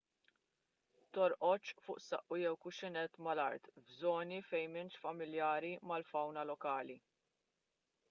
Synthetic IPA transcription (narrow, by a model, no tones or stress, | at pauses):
t̪ɔɾʔɔt͡ʃfʊːʔsɐʔːujɛwkʊʃɪnɛt̪ːmɐlɐ̰ɾt̪bzɔːnifɛjmɪnʃfɐmɪljɐːɾimɐlfɐwnɐlɔkɐːli